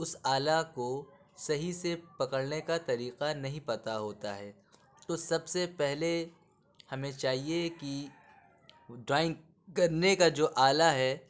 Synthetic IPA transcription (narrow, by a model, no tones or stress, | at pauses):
ʊsaːlako | sɐɦisepɐkəɽnekat̪ɐɾiːqanɐɦĩpɐt̪aɦoːt̪aɦɛː | t̪oːsɐbsepɛɦle | hɐmẽt͡ʃaːɦieki | ɖɾaːɪ̃ŋɡ | kɐɾnekad͡ʒoːʔaːlaɦɛː